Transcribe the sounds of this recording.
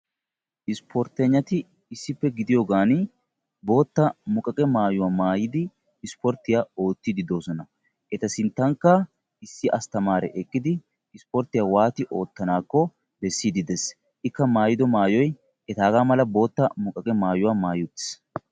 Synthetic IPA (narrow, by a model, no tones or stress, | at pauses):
ʔɪspʰoɾt̪ɛɲːɐt̪ɪː | sːɪpːɛɡɪd̪ɪjoːɡaːn | bo̞ːt̪ːɐmʊkʼɐkʼɛmaːjʊwaːmaːjɪd̪ɪː | spɔɾt̪ːɪjaːo̞ːt̪ːɪd̪ɪd̪o̞ːsɔnɐ | ʔɛt̪ɐsɪnt̪ːɐŋkːɐ | ɪsːɪʔɐst̪ɐmaːɾɛ̰ʔɛkʼːɪd̪ɪː | spɔɾt̪ɪjaːwaːt̪ɪʔo̞ːt̪ːɐnaːkːɔ | bɛsːiːd̪ɪd̪ɛs | ɪkːɐmaːjɪd̪ɔmaːjɔj | ɛt̪aːɡaːmɐlɐbo̞ːt̪ːɐmʊkʼːɐkʼɛmaːjʊwaːmaːjʊt̪ːɪ̥s